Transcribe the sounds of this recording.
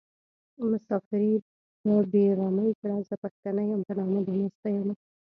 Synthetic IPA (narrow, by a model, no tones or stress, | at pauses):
mʊsɑfɪɾi | əbeɾɑməjkɪɽazəpaxt̪anajampanɑmad̪əmast̪ajama